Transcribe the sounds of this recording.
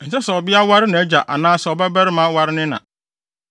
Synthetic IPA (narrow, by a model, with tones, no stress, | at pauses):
n̩˨sɛ˦sɛ˨ɔ˨bɪ˦a˦wa˦ɾɪ˦nã˨˦d͡ʑa˨ʔa̰˨nãː˦sɛ˨ɔ˨bɛ˦bɛ˦ɾɪ˦mã˦wa˦ɾɪ˦nɪ̃˦nã̰˨